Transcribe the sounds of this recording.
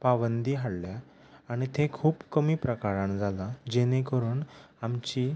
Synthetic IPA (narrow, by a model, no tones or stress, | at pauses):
paʋənd̪iːɦaɽlja | aɽ̃it̪ʰẽkʰuːpkəmiːpɾəkaɾãnd͡zʱalad͡ʑenẽkəɾuːn | amt͡ɕi